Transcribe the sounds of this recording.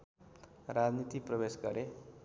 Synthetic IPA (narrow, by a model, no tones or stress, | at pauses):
ɾad͡znit̪iprʌbesɡʌɾe